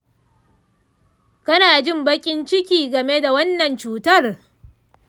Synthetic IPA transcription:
kɐ˦naː˨d͡ʒɪ˦mbɐ˦kʲʼɪ˦nt͡ʃɪ˦kʲiː˨ɡɐ˨me˦da˨wɐ˦nːɐ˨nt͡ʃuː˦tɐ˦˨r

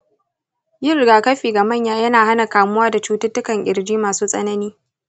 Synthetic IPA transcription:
jɪ˦rɡaː˨kɐ˦ɸiː˨ɡa˨mɐ˦˨ɲjaː˦jɐ˦naː˨ha˦na˨kaː˨mʊ˦waː˦da˨t͡ʃuː˦tʊ˦tːʊ˦kɐ˨ŋʔʲʼɪ̰˨ɾd͡ʒiː˦maː˨suː˦sʼɐ̰˦nɐ˦niː˦

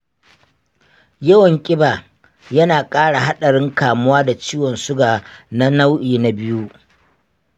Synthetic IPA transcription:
jɐ˦wɐ˨ŋkʲʼɪ˦baː˨ | jɐ˦naː˨kʼaː˦ɽa˨ɦa˦ɗɐ˨ɽɪ˦ŋkaː˨mʊ˦waː˦da˨t͡ʃiː˦wɔ˨nsʊ˦ɡaː˨na˦na˦wʔiː˨na˨bɪ˦ju˦ʔ

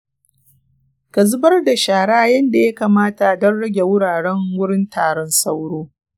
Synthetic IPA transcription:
kɐ˨zʊ˦bɐ˦rda˨ʃaː˨ɽa˦a˦˨jɐ˦nda˨ja˦kaː˨maː˦ta˨dɐ˦nɽɐ˦ɡʲe˨wʊ˦ɽaː˨ɽɛ˦ŋwʊ˦ɽɪ˦ntaː˨ɽɔ˦nsa˦wɽoː˦

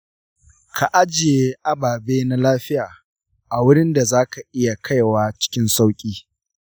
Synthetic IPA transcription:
kʰa˨ʔa˦d͡ʒɪ˨je˦ʔa˦baː˨beː˦na˦laː˦ɸɪ˦jaː˨ | ʔa˨wʊ˦ɽɪ˦nda˨zaː˦ka˨ʔɪ˦ja˨kʰa˦jwaː˦t͡ʃɪ̥˦kʲɪ˦nsa˦wkʲʼiː˦

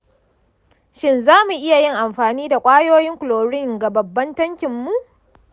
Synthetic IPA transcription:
ʃɪ˦nzaː˦mu˨ʔɪ˦ja˨jɪ˦ŋʔa˨mɸaː˨niː˦da˨kʷʼaː˦joː˦jɪ˦ŋkʷʊ˨loː˨ɽɪ˦ŋɡa˨bɐ˨bːɐ˦ntɐ˦ŋkʲɪ˨mːu˨ʔ

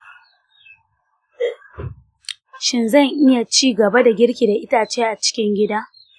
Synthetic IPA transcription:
ʃɪ˦nzɐ˦˨ŋʔɪ˦ja˨t͡ʃiː˦ɡɐ˨ba˦da˨ɡʲɪ˦ɽkʲi˨da˨ʔɪ˦taː˨t͡ʃeː˦ʔa˨t͡ʃɪ̥˦kʲɪ˦ŋɡʲɪ˦daː˦

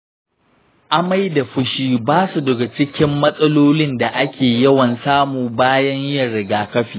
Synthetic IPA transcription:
ʔa˦ma˦jda˨ɸʊ˦ʃiː˦baː˦su˨dɐ˨ɡa˨t͡ʃɪ˦kʲɪ˦mːɐ˦sʼɐ˦loː˦lɪ˦nda˨ʔa˦kʲʰeː˨jɐ˦wɐ˨nsaː˦muː˨baː˦jɐ˦ɲʔɪ˦jɐ˨ɽɪ˨ɡaː˨kɐ˦ɸiː˨

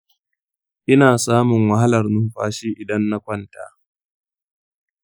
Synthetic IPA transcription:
ʔɪ˦naː˨saː˦mʊ˨ŋwɐ˨ɦa˦lɐ˨rnʊ˦mɸaː˦ʃiː˦ʔɪ˨dɐ˦nːa˦kʷɐ˦nta̰ː˨

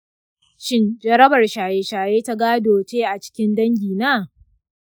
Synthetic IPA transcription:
ʃɪ˦nd͡ʒɐ˦ɾɐ˦bɐ˨rʃaː˨jeː˦ʃaː˨jeː˦ta˦ɡaː˦doː˨t͡ʃeː˦ʔa˨t͡ʃɪ̥˦kʲɪ˦ndɐ˦ŋɡʲiː˨naː˦˨

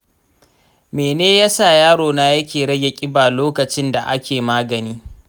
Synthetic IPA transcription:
meː˨neː˦ja˦saː˨jaː˦ɽoː˨naː˦jɐ˦kʲeː˨ɽɐ˦ɡʲe˨kʲʼɪ˦baː˨loː˦kɐ˨t͡ʃɪ˦nda˨ʔa˦kʲeː˨maː˦ɡɐ˨niː˦

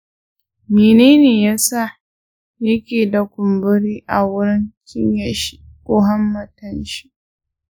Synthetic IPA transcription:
meː˨neː˦neː˨jaː˦sa˦˨ | jɐ˦kʲeː˨da˨kʷʊ˨mbʊ˦ɽiː˦ʔa˨wʊ˦ɽɪ˦ŋkʲɪ˦ɲja˨ʃi̥˦ | kʷʼʊ˦ɦɐ˦mːɐ˨tɐ˦nʃi̥˦

